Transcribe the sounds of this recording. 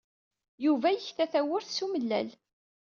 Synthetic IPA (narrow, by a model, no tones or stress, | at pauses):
juvæjəçθæθæwʊɾθsuməlːæ̰l